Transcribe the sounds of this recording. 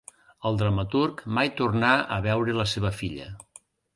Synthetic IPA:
əlˠd̪ɾəmət̪urkmajt̪urnaəβɛwɾələseβ̞əfiʎə̰

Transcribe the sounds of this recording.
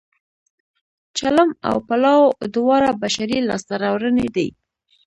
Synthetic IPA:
t͡ʃalama̰wpalɑwod̪ʊwɑɾabaʃaɾilɑ̰st̪aɾawɾəned̪a̰j

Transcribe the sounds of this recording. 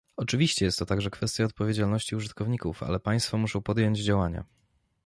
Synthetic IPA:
ɔt͡ʂɘvʲiɕt͡ɕɛjɛst̪ːɔt̪aɡʐɛkfɛst̪ʲjaɔt̪̚pɔvʲjed͡ʑalnɔɕt͡ɕiuʐɨt̪kɔvɲikṵfa̰lɛpaj̃st̪fɔmuʂɔ̃w̃pɔd̪ʲjɔɲd͡ʑd͡ʑawaɲa̰

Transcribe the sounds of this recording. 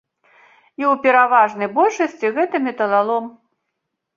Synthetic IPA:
iwpʲɛɾavaʐnɐjbɔlʲʂɐsʲt͡sʲiɣɛt̪ɐmʲɛt̪ɐlˠalˠɔm

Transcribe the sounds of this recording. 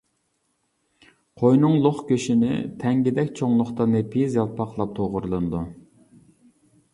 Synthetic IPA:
qʰojnɨŋlˠoχkʲʰøʃinɪ̰t̪ʰɛŋɡʲɪd̪ɛkʲt͡ʃʰoŋlˠʊχt̪ɑnɨpʰijzjɑlˠpʰɑqlˠɑp̚t̪ʰoʁʊɾlˠɨnɨd̪u

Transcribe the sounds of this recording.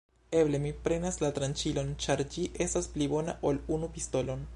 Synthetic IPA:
e̞βle̞mipɾe̞naslatɾant͡ʃilo̞nt͡ʃaɾd͡ʒiʔe̞stasplibo̞na̰ʔolunupisto̞lo̞n

